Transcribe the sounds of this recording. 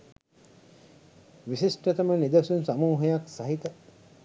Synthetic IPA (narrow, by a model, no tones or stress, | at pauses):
ʋisisʈɐt̪ɐmənid̪ɐsunsamuːɦejaksaɦit̪ə